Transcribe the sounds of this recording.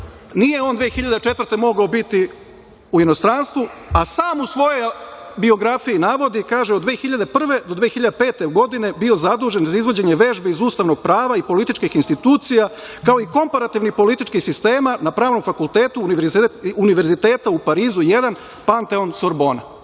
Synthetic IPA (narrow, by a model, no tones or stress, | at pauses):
nije̞o̞ːnd̪ʋeːxiʎad̪et͡ʃe̞t̪vərt̪e̞mo̞ɡaobit̪i | uino̞st̪ɾaːnst̪ʋuasaːmusʋo̞jojbio̞ɡɾafijinaːʋo̞d̪ikaːʒeod̪ʋeːxiʎad̪epr̩ʋe̞d̪o̞d̪ʋeːxiʎad̪epe̞ːt̪e̞ɡo̞d̪ine̞bio̞zad̪uːʒe̞nzaizʋo̞d͡ʑe̞ɲe̞ʋeʒbeizuːst̪aʋno̞ɡ̥̚pɾaːʋaipo̞lit̪it͡ʃkixinst̪it̪uːt̪sija | kao̞iko̞mpaɾat̪iʋnipo̞lit̪it͡ʃkixsist̪e̞ːmanapɾaːʋno̞mfakulˠt̪eːt̪uiːniʋe̞ɾzit̪e̞ːt̪aupaɾiːzujed̪an | pant̪eonsoɾbo̞ːna